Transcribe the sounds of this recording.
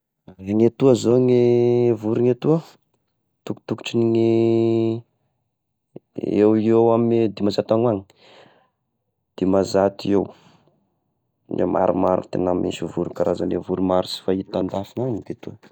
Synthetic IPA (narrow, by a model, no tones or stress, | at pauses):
eŋet̪uazoŋevuɾiŋet̪uə | t̪uku̥t̪uku̥ʈ͡ʂiniŋi | ewiewamd̪imazat̪aŋwaŋi̥ | d̪̥imazat̪iew | nḛmʔa̰ɾumaɾṵt̪ḛnammḭnsivuɾukaɾazanlevuɾumaɾusi̥fait̪and̪afinaŋiɡ̪et̪uə